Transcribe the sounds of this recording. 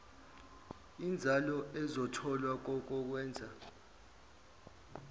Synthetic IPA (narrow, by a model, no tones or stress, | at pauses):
ind͡zʱalɔɛzɔtʰɔlwak̬ɔk̬ɔk̬wɛːnd͡zʱa